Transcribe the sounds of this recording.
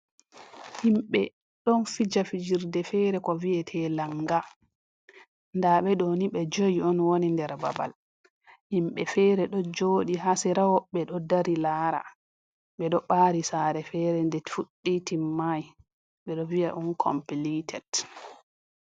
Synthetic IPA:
himɓɛ | ɗɔnfid͡ʒafid͡ʒiɾdɛfɛːɾɛkɔviɛtʰɛlaŋɡa | ndaɓɛɗɔniɓɛd͡ʒojiɔnwonindɛɾba̰ba̰l | himɓɛfɛːɾɛɗɔd͡ʒoːɗiɦasɛɾawɔɓɛɗɔdaɾilaːɾa̰ | ɓɛɗɔɓaːɾisaːɾɛfɛɾɛndɛfuɗːitimːaj | ɓɛɗɔviaʔunkʰɔ̰mpilitʰɛd

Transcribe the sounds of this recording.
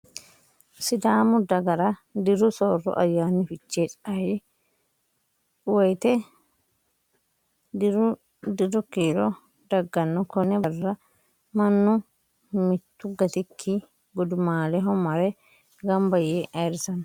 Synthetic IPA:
sɪd̪aːmʊd̪ɐɡɐɾɐd̪ɪɾʊsoːrːɔ̰ʔɐ̰jːaːnːɪfɪt͡ʃːeːt͡sʼɐj | wɔjt̪ɛ | dɪɾʊ | d̪ɪd̪ɔkiːɾɔ | d̪ɐɡːɐnːɔkɔnɛbɐrːɐ | mɐnːʊ | mɪt̪ːʊɡɐt̪ɪkʰːi | ɡɔd̪ʊmaːlɛɦɔmɐɾɛ | ɡɐmbɐjeʔɐjɾɪsɐn

